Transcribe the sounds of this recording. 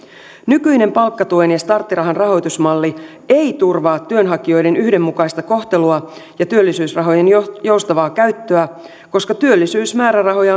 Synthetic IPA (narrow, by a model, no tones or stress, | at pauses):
nykyjne̞mpɑlkːɑt̪uenjɑst̪ɑrt̪ːiɾɑɦɑnrɑɦo̞jt̪usmɑlːi | e̞jt̪urʋɑːt̪ːyønɦɑkio̞jde̞nyhde̞mːukɑjst̪ɑko̞ht̪e̞luɑ | jɑt̪yø̞lːisyːsrɑɦo̞jenjo̞wst̪ɑʋɑːkæɥt̪ːøæ | ko̞skɑt̪yølːisyːsmæːɾærɑɦo̞jɑ